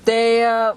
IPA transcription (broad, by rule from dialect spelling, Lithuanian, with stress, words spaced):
ˈtɐɪ